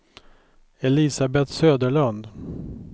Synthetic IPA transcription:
ɛlɪsabɛt̪søːd̪əɭand̪

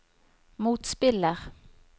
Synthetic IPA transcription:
motspɪlar

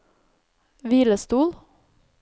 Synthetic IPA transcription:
ʋiːləst̪uːl

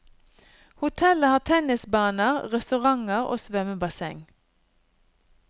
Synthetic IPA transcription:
hʊt̪ʰɛləhɑːʁt̪ʰɛnɪsbɑːnəʁʁɛst̪ʉʁɑŋəʁo̰ːsʋɛməbɑsɛ̰ŋ

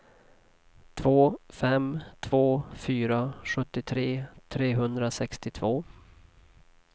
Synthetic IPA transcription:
t̪ʰvoːfɛmt̪ʰv̥oːfyːɾaɧɵt̪ːɪt̪ʰɾeːt̪ʰɾeːɦɵnd̪ɾasɛkst̪ɪt̪ʰvoː

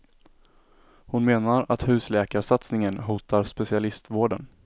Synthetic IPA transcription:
hʊnmeːnaɾat̪hʉ̟ːslɛːkaɾsat̪snɪŋənɦuːt̪aɾspɛsɪalɪst̪voːɖən

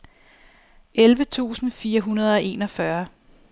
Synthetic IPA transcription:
elʋət͡sʰṵːsn̩fiːɐɦunɐð̞ˠɒ̽ʔe̝ːnɒ̽fɶɐ

